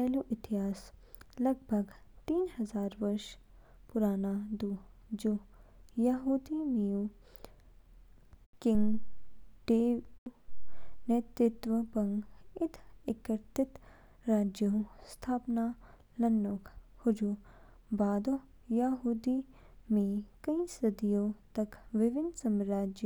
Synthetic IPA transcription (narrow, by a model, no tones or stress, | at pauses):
pɛːluʔɪt̪ɪɦaːs | lɐɡ̚bʱɐɡt̪iːnɦɐzaːɾʋɐɾʃ | pʊɾaːnad̪uːd͡ʒojaɦuːd̪iniju | kɪ̃ŋɡ | ɖeːu | net̪ɾɪt̪ʋəbɐŋɡɪt̪ʰɪkɐɾt̪ɪt̪ | ɾaːd͡ʒjɐũst̪ʰaːpnaː | lɐnːoːkhʊd͡ʒuː | baːd̪oː | jaɦuːd̪i | mẽkɐĩsɐd̪ijõːt̪ɐkʋɪʋɪnsɐmɾaːd͡ʒj